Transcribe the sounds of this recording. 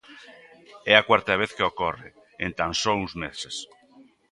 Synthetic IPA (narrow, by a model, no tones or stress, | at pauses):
ɛakwaɾt̪ɐβ̞eθkeokɔrɪ | ẽnt̪ãnsɔuŋzmeses